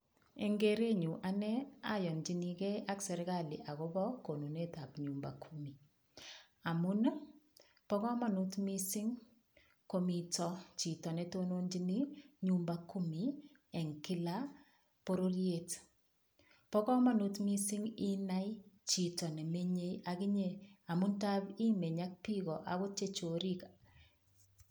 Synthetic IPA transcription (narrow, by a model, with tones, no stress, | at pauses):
e˨ŋɡe˦ɾe˦ɲu˨ʔa˦nɛ˦a˨jɔ˨nd͡ʒi˨ni˨kɛ˦a˦ksɛ˨ɾɡa˦˨li˨ʔa˨ɣɔ˦bɔ˦ko˨nu˨ne˦ta˨pɲu˨mba̰˨kʰu˦mi˨ | a˨mu˦n˦ | pɔ˦kɔ˦ma˨nu˦tmi˦si˦ŋ | ko˨mi˨tɔ˨t͡ʃi˨tɔ˨nɛ˦to˦no˦nd͡ʒi˦ni˦ɲumbaku˦mi˨ | ɛ˨ŋkɪ˦la˦ | po˦ɾo˦lje˦t | pɔ˦kɔ˦ma˦nu˦tmi˦si˦ŋi˦na˦jt͡ʃi˨tɔ˨nɛ˨me˦ɲe˦a˨ki˦ɲe˦a˨mʊ˦nta˦bi˦me˨ɲa˦k̚pi˦ɣɔ˨ʔa̰˨kɔ˦t͡ʃe˦t͡ʃo˨ɾi˦ka